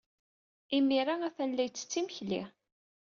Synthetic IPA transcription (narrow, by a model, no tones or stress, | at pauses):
imːiɾaæθænlæjt͡sːə̥t͡sːiməçlḭ